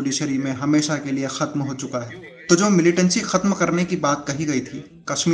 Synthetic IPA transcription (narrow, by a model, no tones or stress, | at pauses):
liʃɐɾimẽɦɐmeːʃakeliexɐt̪mɦoːt͡ʃʊkaɦɛː | t̪od͡ʒoːmɪlɪʈə̃nsixɐt̪mkɐɾnekibaːt̪̚kɐɦiɡɐit̪ʰiː | kɐʃmiː